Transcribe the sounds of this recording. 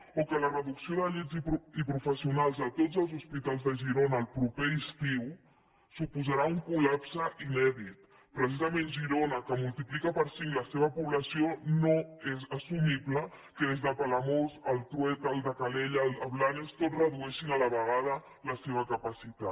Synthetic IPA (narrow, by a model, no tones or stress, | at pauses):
okələrəðuksioðəʎizipuipɾufəsiunalˠzðət̪ozəlˠzuspit̪alˠzðəʒiɾonəːlˠpɾupeist̪iw | supuzaɾauŋkulapsəʔinɛðit̪ | pɾəsizəmenʒiɾonəkəmulˠt̪iplikəpəɾsiŋləseβ̞əpuβləsionoezəsumiβlə | kəðezðəpaləmozəlˠt̪ɾuɛt̪əlˠd̪əkaleʎələβlanəst̪otrəðuɛʃinələβəɣ̞að̞ə | ləseβ̞əkəpəsit̪a